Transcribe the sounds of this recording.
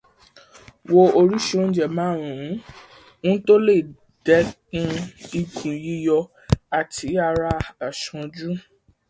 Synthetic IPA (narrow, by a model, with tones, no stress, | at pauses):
wo˧o˧ɾu˦ʃu˦õ˦d͡ʒɛ˦˨mãː˨˦˨ɾ̃ũ˨˦ | nũ˦to˦le˦˨ | d̥ɛ˨˦kũ˧˦i˧kʰũ˨ji˧jɔ˧ | a˨tʰi˨˦a˧ɾa˧a˨ʃɔ̃˧d͡ʒu˦